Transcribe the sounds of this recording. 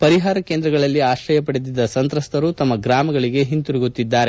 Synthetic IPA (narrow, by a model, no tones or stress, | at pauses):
pɐɾiɦaːɾɐke̞ːnd̪ɾɐɡɐɭɐlːiaːʃɾɐjɐpɐɽed̪id̪ːɐsɐnt̪ɾɐst̪ɐɾut̪ɐmːɐɡɾaːmɐɡɐɭiɡe̞ɦint̪uɾiɡut̪ːid̪ːaːɾe̞